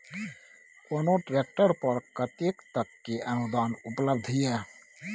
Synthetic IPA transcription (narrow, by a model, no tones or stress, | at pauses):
onoʈɾek̚ʈəɾpəɾkət̪ekt̪əkːeʔənud̪aːnʊpləb̚d̪ʱɦijɛ